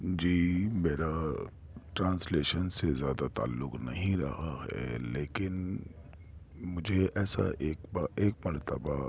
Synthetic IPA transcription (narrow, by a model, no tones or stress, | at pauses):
d͡ʒiːmeːɾa | ʈɾãːnsleːʃənsezjaːd̪at̪a̰ːlːʊknɐɦĩɾɐɦaɦɛ̰leːkɪn | mʊd͡ʒʱeɛːsa̰ʔeːkbaeːk̚mɐɾt̪əba